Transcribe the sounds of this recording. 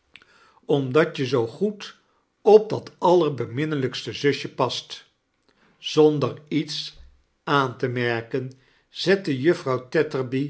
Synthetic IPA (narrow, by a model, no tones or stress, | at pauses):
ɔmdɑtəzowχut | ɔb̚dɑtɑləɹbəmɪnələkstəzɵʃəpɑst | z̥ɔndərits | aːntəmɛɹkən | z̥ɛtəjɵfrɑwtɛtəɹbi